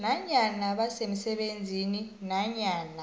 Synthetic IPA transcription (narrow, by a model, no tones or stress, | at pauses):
naɲanaɓasemisɛɓend͡zʱininaɲaːna